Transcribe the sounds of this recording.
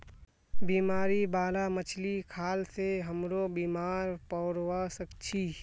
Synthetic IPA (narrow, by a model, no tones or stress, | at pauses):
biːmaːɾibaːlamət͡ʃʰlikʰaːlseɦəmɾobiːmaːɾpɔːɾwasəkt͡ʃʰi